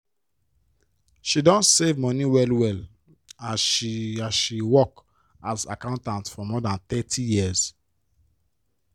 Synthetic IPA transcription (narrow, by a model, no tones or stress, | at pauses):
ʃidɔ̃ntsevmɔniwɛlwɛl | aiaʃiwɔk | aza̰kãʊ̃ntãntfɔmɔdãnt̪ɛtʰijiz̥